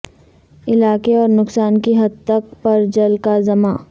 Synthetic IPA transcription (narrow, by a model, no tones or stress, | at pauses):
ɪlaːkeɔːɾnʊksaːnkiɦɐd̪̚t̪ɐk̚pɐɾd͡ʒɐlkazɐmaː